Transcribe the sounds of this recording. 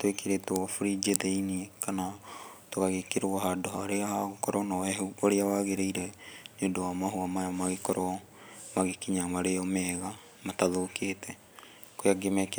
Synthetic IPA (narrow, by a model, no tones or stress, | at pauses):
twekeɾetoɔfuɾid͡ʒeðɛiniekanatokaɣekeɾoaɦadohaɾeahaɣokɔɾɔnaɛhuoɾeawaɣeɾeiɾɛneondowamaɦoamajamaɣekɔɾɔ | maɣekiɲamaɾeɔmɛɣa | mataðoketɛ | kojaɡemɛke